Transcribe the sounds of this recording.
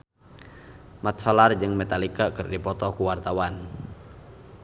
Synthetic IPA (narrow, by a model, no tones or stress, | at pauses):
mat̪t͡ʃɔlard͡ʒɨŋmɛt̪alikakɨrdipɔt̪ɔkuwart̪awan